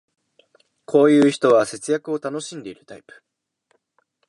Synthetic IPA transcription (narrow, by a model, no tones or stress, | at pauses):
kʰo̞ːjɯ̟ːçi̥t̪o̞βase̞t͡sɨjakɯ̟o̞t̪ano̞ɕĩnd̪e̞iɾɯ̟t̪aipɯ̥